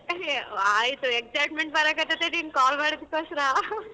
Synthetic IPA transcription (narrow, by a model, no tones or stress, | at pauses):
aːjt̪ueksajʈmeɳʈ̚bɐɾakɐt̪ːet̪eɾinkaːlmaːɽid̪ikːosɐɾa